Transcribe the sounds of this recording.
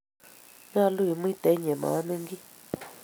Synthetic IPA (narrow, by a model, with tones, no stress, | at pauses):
ɲã˦˧˦lu˦i˨m˦ĩ˦t̪e˨˦ɲẽ˨mã̰˨˦nẽ˦ŋɡi˦